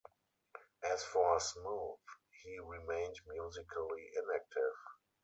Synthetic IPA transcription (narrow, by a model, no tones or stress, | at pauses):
ʔɛsfɔəsmuːðhiːɹimẽɪ̃ndmjuːzɪkʰəliʔɪ̃næk̚tʰɪv̥